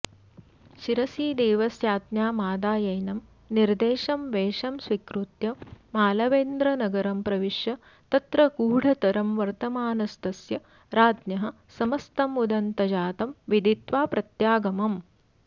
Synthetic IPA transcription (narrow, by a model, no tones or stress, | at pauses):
ʃiɾɐsiːd̪eːʋɐsjaːt̪njaːmaːd̪aːjɐjnɐm | niɾd̪eːʃɐmʋeːʂɐmsʋikɾut̪jɐmaːlɐʋeːnd̪ɾɐnɐɡɐɾɐmpɾɐʋiʃjɐ | t̪ɐt̪ɾɐkuːɽ̤ʱɐt̪ɐɾɐmʋɐɾt̪ɐmaːnɐst̪ɐsjɐ | ɾaːd̪njɐɦɐ̆ | sɐmɐst̪ɐmud̪ɐnt̪ɐd͡ʒaːt̪ɐmʋid̪it̪ʋaːpɾɐt̪jaːɡɐmɐm